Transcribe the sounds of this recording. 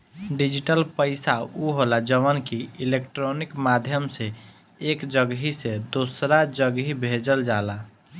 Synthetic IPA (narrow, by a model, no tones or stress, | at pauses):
ɖid͡ʒiʈəlpəɪsauɦolad͡ʒəʋənkiilekʈɾonikmad̪ʱjəmse | ekd͡ʒəɡɦised̪osɾad͡ʒəɡɦibʱed͡ʒəld͡ʒala